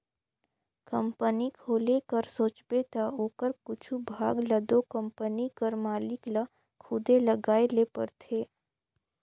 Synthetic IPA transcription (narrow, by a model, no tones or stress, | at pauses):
kə̃mpənikʰoːlekəɾsoːt͡ʃbet̪aoːkəɾkʊt͡ʃʰubʱaːɡlɐd̪okə̃mpənikəɾmaːlɪkla | kʰʊd̪eləɡaːelepə̰ɾt̪ʰeː